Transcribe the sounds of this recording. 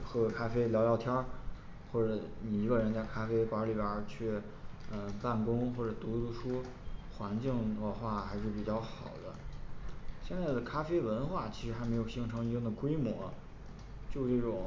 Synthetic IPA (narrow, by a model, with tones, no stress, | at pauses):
xɤ˧˥kʰa˥fe˥ɪljɑ˧˥ljɑ˥˩ʊt̪ʰjɑ˥ | xwɔ˥˩ʈ͡ʂɤ˧˥ni˨˩i˧˥ɡə˧ɻə˧˥nt͡sa˥˩ɪkʰa˥fe˥ɪpa˧˥li˨˩bjə˨˩t͡ɕʰy˥˩ | ə˧˩pa˥˩nkʊ˥ŋxwɔ˥˩ʈ͡ʂɤ˨˩t̪u˧˥t̪u˧˥˩ʂʰu˥ | xwa˧˥nt͡ɕi˥˧ŋə˥˧xwa˥˩xa˧˥ɪʂɻ̩˥˩pi˨˩t͡ɕjɑ˥˩ʊxɑ˨˩ʊd̪ə̰˦ | ɕjɛ˥˧nt͡sa˥˩ɪd̪ə˩kʰa˥fe˥ɪwə˧˥nxwa˥˩t͡ɕʰi˧˥ʂɻ̩˧˥xme˧˥ɪjo˨˩ʊɕi˧˥ŋʈ͡ʂʰɤ˧˥ŋi˧˥˩ŋ˩d̪ə˩kwe˥ɪmwɔ˧˥ | t͡ɕjo˥˧ʊʈ͡ʂɤ˥˩ʈ͡ʂʊ˨˩ŋ